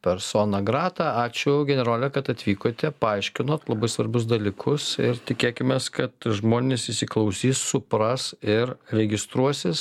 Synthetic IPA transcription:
pʲɛɾsoːnɐɡɾɑːt̪ɑɑːt͡ʃʲʊɡʲɛnʲɛɾoːlʲɛkɐt̪ɐt̪ʲʋʲiːkoːt̪ʲɛpɐɐɪʃʲkʲɪnoːt̪lˠɐbɐɪsʋɐɾbʊs̬d̪ɐlʲiːkʰʊsɪɾt̪ʲɪkʲeːkʲɪmʲeːskɐt̪ʒmoːnʲeːsɪsʲɪklˠɐʊsʲiːsːʊpɾɐsɪɾɾʲɛɡʲɪst̪ɾuɔsʲɪs

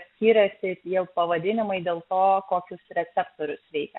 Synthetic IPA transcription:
sʲkʲiːɾʲɛsʲɪt̪ʲiɛlˠpɐʋɐd̪ʲɪnʲɪmɐɪd̪ʲeːlˠt̪oːkoːkʲʊsɾʲɛt̪sʲɛpt̪oːɾʲʊsʋʲɛɪkʲɛ

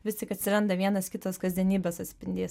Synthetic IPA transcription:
ʋʲɪst̪ʲɪkɐt̪ʲsʲɪɾɐnd̪ɐʋʲiɛnɐskʲɪt̪oːskɐzʲd̪ʲiɛnʲiːbʲoːsɐt̪ʲsʲpʲɪnʲd̪ʲeːs

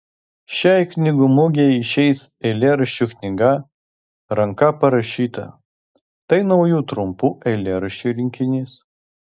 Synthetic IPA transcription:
ʃʲæˑɪknʲɪɡʊmʊɡʲɛɪʃʲɛɪsɛlʲeːɾɐʃʲt͡ʃʲuknʲɪɡɐ | ɾɐŋkɐpɐɾɐʃʲiːt̪ɐ̰ | t̪ɐɪnɐʊjuːt̪ɾʊmpuːʔɛɪlʲeːɾʊʃʲt͡ʃʲuɾʲɪŋʲkʲɪnʲiːs

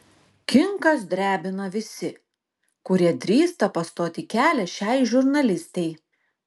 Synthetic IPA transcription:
kʲɪŋkɐsd̪ʲɾʲæːbʲɪnɐʋʲɪsʲɪ | kʊɾʲiɛd̪ʲɾʲiːst̪ɐpɐst̪oːt̪ʲɪkʲæːlʲɛʃʲɛɪʒʊɾnɐlʲɪsʲt̪ʲɛɪ

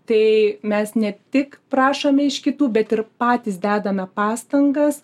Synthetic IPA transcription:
t̪ɐɪmʲɛsnʲɛt̪ʲɪkprɑːʃomʲɛɪʃkʲɪt̪uːbʲɛt̪ɪrpɑːt̪ʲiɪsd̪ʲæːd̪ɐmʲɛpɑːst̪ɐŋɡɐs

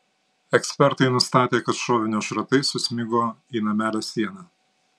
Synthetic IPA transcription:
ɛksʲpʲɛɾt̪ɐɪnʊst̪ɑːt̪ʲeːkɐt̪ʃoːʋʲɪnʲoːʃɾɐt̪ɐɪsʊsʲmʲɪɡoːiːnɐmʲæːlʲæsʲiɛnɑː

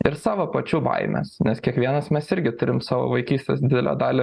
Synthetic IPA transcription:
ɪɾsɑːʋoːpɐt͡ʃʲuːbɐ̰ɪmʲɛ̰snʲɛskʲiɛkʋʲiɛnɐsmʲɛsɪɾʲɡʲɪt̪ʊɾʲɪmsɑːʋo̰ːʋɐɪkʲiːsʲt̪ʲesd̪ʲɪd̪ʲɛlʲo̰d̪ɑːlʲe

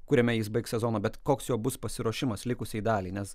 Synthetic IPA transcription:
kʊɾʲɛmʲɛjɪsbɐɪksʲɛzoːnoːbʲɛt̪koːksjoːbʊspɐsʲɪɾoːʃʲɪmɐslʲɪkʊsʲid̪ɑːlʲiːnʲɛs

